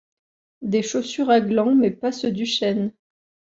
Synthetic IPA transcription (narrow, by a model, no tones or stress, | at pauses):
d̪eʃosyʁaɡlɑ̃mɛpasəd̪yʃɛn